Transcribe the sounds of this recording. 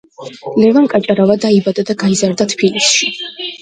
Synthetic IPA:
lɛvankʼat͡ʃʼaɾavad̪aibad̪ad̪aɡaizaɾd̪at̪ʰpilisʃi

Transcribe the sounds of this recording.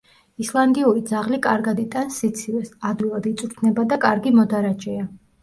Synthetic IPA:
islˠand̪iuɾid̪zaʁlikʼaɾɡad̪it̪ʼansit̪sʰivɛsad̪wilˠad̪it̪sʼuɾt̪ʰnɛbad̪akʼaɾɡimɔd̪aɾad͡ʒʼɛa

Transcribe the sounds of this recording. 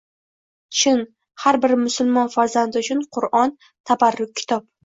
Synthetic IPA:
t͡ʃʰɪn | haɾbɪɾmʊsʊlˠmɒnfaɾzand̪ɪʊt͡ʃʰʊnqʰʊɾɒn | t̪ʰabaɾːʊk̚ʲʰːɪ̥t̪ʰɒp̚

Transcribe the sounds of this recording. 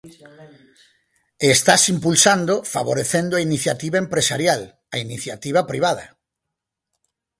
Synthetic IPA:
est̪asimpulsand̪ofa̰βoɾeθend̪oainiθjat̪iβaempɾesa̰ɾjal | ɐiniθjat̪iβ̞ɐpɾiβ̞að̞ɐ̰

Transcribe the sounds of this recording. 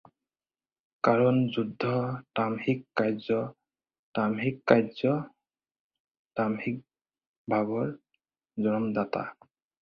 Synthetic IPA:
kaɹɔnzudʱːɔtamhikːajzɔ | tamɦikːajzɔ | tamhik̚ | bʱaβɔɹ | zɔnɔmd̪at̪a̰

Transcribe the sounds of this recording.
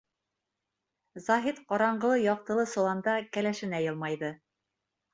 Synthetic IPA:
zɑɦit̪qɑɾɑɴɢɤ̆lˠɤjɑq̚t̪ɤ̆lˠɤsŏlˠɑnd̪ɑkælæʃɘ̆næjɤlˠmɑjðɤ

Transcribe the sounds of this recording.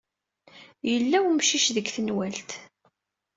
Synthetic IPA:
jəlːæwmʃiʃðəɡθənwælt̪

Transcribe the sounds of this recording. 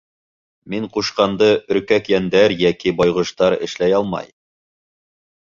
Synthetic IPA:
miɴquʃqɑnd̪ɤʔɵ̆ɾkækjænd̪æɾjækibɑjʁɤ̆ʃt̪ɑɾɘ̰̆ʃlæjɑlˠmɑ̰j

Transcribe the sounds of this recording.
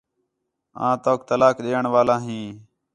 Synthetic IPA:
ã̰ːt̪oːk̚t̪əlaːkɗeːəɳʋaːlãːɦĩː

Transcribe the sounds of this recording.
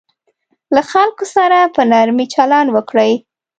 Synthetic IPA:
laxalkosaɾapənaɾmit͡ʃalɑnwəkɽəj

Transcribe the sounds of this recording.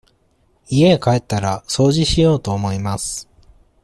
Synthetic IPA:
ie̞kae̞t̪ːaɾaso̞ːʑiɕijo̞ːt̪o̞ːmo̞imasɨ̥

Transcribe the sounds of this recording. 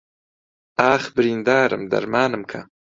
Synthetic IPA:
ɑːxbɾind̪ɑːɾə̰md̪a̰ɾmɑːnəmkʰa̰

